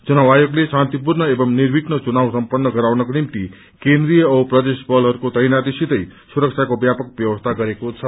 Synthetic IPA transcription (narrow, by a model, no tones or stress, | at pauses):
t͡sunawajoɡlesãnt̪ipuɾnʌebʌmniɾbiknʌt͡sunawsʌmpʌnːʌɡʌɾawnʌkonimt̪i | kẽnd̪ɾijʌːprʌd̪esbʌlɦʌɾukot̪ʌjnat̪isit̪ʌjsuɾʌk̚sʰjakobjapʌkbjʌwʌst̪ʰaɡʌɾekot͡sʰʌ